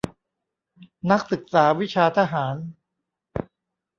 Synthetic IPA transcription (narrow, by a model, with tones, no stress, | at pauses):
na˦˥k̚sɯ˨˩k̚saː˩˦wi˦˥t͡ɕʰaː˧t̪ʰa˦˧ɦaː˩˦n